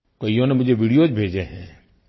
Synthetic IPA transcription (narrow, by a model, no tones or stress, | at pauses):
kɐijõnemʊd͡ʒʱeʋiːɽijod͡ʒbʱeːd͡ʒeɦɛ̃ː